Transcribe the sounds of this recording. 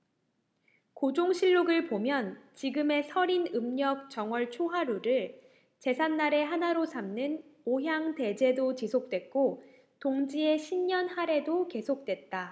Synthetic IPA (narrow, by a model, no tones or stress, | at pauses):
kod͡ʑoŋɕʰiɭːoɡɯɭpomjʌnt͡ɕiɡɯme̞sʰʌɾinɯmɲʌk̚t͡ɕ͈ʌŋwʌɭt͡ɕʰoɦaɾuɾɯɭ | t͡ɕe̞sʰanːaɾe̞ɦanaɾosʰamnɯnoɦjaŋte̞d͡ʑe̞dot͡ɕisʰok̚t͈we̞t̚k͈o | toŋd͡ʑie̞ɕʰimɲʌnhaɾe̞doke̞sʰok̚t͈wet̚t͈a